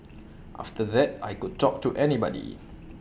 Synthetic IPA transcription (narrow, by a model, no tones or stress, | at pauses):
ʔa̰ftəðɛt̚ajkud̚tɔk̚tuʔɛnibɔ̰dḭ